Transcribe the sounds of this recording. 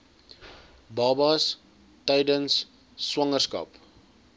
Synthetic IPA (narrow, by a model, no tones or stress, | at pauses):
bɑbɑs | tɛjdənsː | wɐŋərskɐ̰p